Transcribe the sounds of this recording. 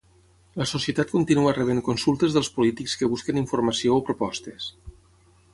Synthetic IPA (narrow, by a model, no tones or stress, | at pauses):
ləsosiət̪at̪̚kunt̪inuərəβ̞eŋkunsulˠt̪əzðəlˠspulit̪ikskəβuskəniɱfurməsioːpɾupɔst̪es